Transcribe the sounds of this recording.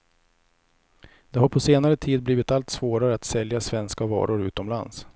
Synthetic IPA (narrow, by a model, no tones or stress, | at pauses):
d̪̥ɛɦaɾpʰɔseːnaɾət̪ʰiːd̪̚bliːvɪt̪alt̪svoːɾaɾəat̪sɛljasvɛnskavɑ̰ːɾʊɾʉ̟ːt̪ɔmla̰ns